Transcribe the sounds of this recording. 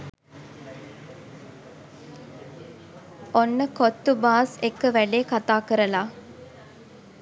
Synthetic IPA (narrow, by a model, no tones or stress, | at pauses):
onːəkot̪ːubaːsekːəʋæɖeːkat̪aːkəɾəlaː